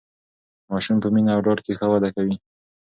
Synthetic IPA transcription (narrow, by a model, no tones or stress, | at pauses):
mɑʃumpəminaːwɖɑɽkexəwad̪akawi